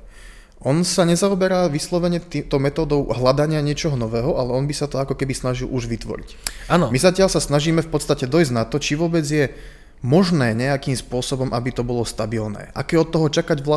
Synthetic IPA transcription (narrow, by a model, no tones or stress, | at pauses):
ʔɔnsaɲɛzaɔbɛɾaːʋislɔʋɛɲɛt̪it̪ɔʊmɛt̪ɔːd̪ɔʊɦlad̪aɲɪaɲɪɛt͡ʃɔɦɔnɔʋɛːɦɔʔalɛɔnbisat̪ɔakɔkɛbisnaʒilʔuʒʋit̪ʋɔ̰ɾḭcanɔmizacɪaʎsasnaʒiːmɛfpɔt̪st̪acɛd̪ɔjzɟnat̪ɔt͡ʃiʋʊɔbɛd͡zjɛ | mɔʒnɛːɲɛakiːmspʊɔsɔbɔmʔabit̪ɔbɔlɔst̪abilnɛ̰ːʔa̰kɛjɛɔt̪ːɔɦɔt͡ʃakaɟʋla